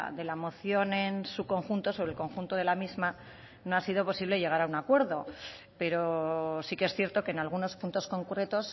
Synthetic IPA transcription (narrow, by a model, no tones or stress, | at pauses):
ðe̞lamo̞θjo̞nensuko̞ŋxunt̪o̞soβɾelko̞ŋxunt̪oðe̞lamizma | no̞asið̞o̞po̞siβle̞ʝe̞ɣ̞aɾaunakwe̞ɾðo̞ | pe̞ɾosikeesθje̞ɾt̪o̞keːnalɣ̞uno̞spunt̪o̞sko̞ŋkɾe̞t̪o̞s